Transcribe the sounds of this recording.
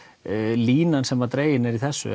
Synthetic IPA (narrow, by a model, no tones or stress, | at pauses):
liːnansɛmat̪ɾeːjɪnɛɾiθɛsːʏ̰